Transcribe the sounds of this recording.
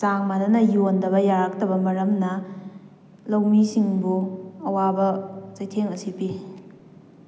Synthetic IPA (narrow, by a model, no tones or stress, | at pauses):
saŋmadɐnɐjondɐbɐjaɾak̚tɐbɐmɐɾɐmnɐ | lɐwmisiŋbuɐwabɐt͡ʃɐjtʰeŋɐsipi